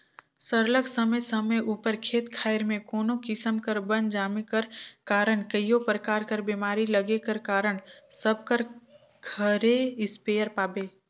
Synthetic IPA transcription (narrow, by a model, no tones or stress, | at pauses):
səɾləksəməjsəməjʔuːpəɾkʰeːt̪kʰaːɪɾmẽkoːnõkɪsəmkəɾbə̃nd͡ʒaːmekəɾkaːɾəɽ̃kəjopɾəkaːɾkəɾbiːmaːɾiləɡekəɾkaːɾəɽsəb̚kəɾ | ɡʰʱəɾeɪspeːjəɾpaːbeː